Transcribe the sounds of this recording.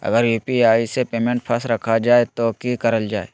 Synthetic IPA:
ɐ̰ɡəɾjuːpiaːisepeːmẽːɳʈpʰəsɾɐkʰad͡ʒaːet̪okikɐɾəld͡ʒaːḛː

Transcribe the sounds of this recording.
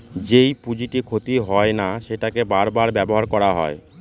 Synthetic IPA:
d͡ʑejpud͡ʑiʈikʰot̪iɦɔenaʃeʈakebaɾbaɾbɛboɦaɾkɔɾaɦɔ̰e

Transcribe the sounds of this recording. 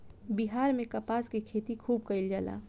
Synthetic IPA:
biɦaːɾmẽkɐpaːskekʰeːt̪ikʰuːb̚kɐɪld͡ʒaːla̰ː

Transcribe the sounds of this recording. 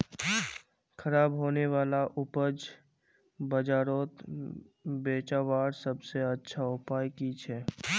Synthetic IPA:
kʰəɾaːbɦoːneʋaːlaʔʊpəd͡ʒ | bəd͡ʒaːɾoːt̪ | beːt͡ʃaːʋaːɾsəbseətːʃʰaʊpaːjkit͡ʃʰɛː

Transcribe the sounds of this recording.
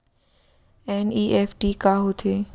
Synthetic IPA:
ɛːniːʔeːfʈiːkaːɦot̪ʰeː

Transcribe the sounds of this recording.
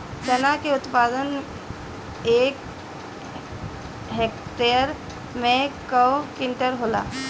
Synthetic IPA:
sənakeʊt̪paːd̪ən | eːk | ɦekʈeɾ | mẽkəwkɪnʈəɾɦola̰ː

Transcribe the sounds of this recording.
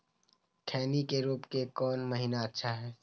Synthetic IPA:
ʈʰɛːnikeɾuːpkekɔːnməɦiːnaɐtːʃʰaɦɛː

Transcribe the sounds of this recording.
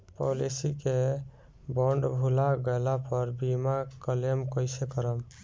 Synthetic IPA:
pɔ̰lisike | bɔɳɖbʱulaɡɔjlapəɾbimakəlemkɔjsekəɾəm

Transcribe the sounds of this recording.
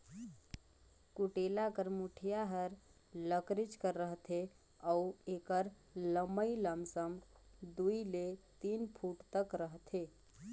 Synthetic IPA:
kuʈelakəɾmuʈʰijaɦəɾ | ləkɾit͡ʃkəɾːəɦt̪ʰe | auekəɾ | ləməiləmsəm | d̪uilet̪inpʰuʈt̪əkɾəɦt̪ʰe

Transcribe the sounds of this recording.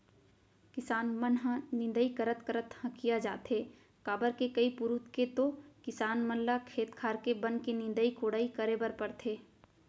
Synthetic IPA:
kɪsaːnmənɦãnɪ̃nd̪əikəɾət̪kəɾət̪hə̃kijad͡ʒa̰ːt̪ɦeː | kaːbəɾkekɐipʊɾʊt̪ket̪okɪsaːnmənlakʰeːt̪kʰaːɾkebɐ̃nkenɪ̃nd̪əikoːɽaːikəɾebəɾpɐɾt̪ʰeː

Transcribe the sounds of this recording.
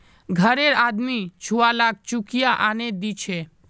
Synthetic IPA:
ɡʱəɾeɾad̪mit͡ɕʰualak̚t͡ɕukijaʔaned̪it͡ɕʰe

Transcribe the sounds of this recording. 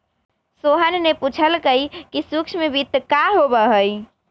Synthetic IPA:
soɦənneput͡ʃʰəlkəjkisukt͡ʃʰmebit̪ːkaɦobəɦəj

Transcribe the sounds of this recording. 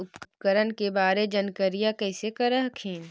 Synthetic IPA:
ʊppkəɾənkebaːɾed͡ʒɐnkəɾijakɛːsekɐɾəɦkʰeːn

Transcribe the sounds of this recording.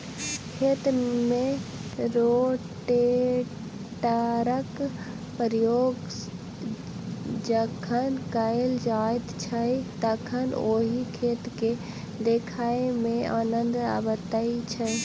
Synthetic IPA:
kʰeːt̪mẽɾoʈe | ʈəɾək | pəɾjoːɡ | d͡ʒəkʰənkəeld͡ʒaet̪t͡ʃʰəjt̪əkʰənoːɦikʰeːt̪ke | d̪ekʰaemẽaːnənd̪a̰bət̪əit͡ʃʰə

